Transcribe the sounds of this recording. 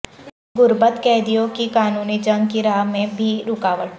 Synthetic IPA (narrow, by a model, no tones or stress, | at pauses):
ɡʊɾbət̪kɛːd̪ijõkikaːnuːnid͡ʒɐ̃ŋɡkiɾaːɦmẽbʱiɾʊkaːʋəʈ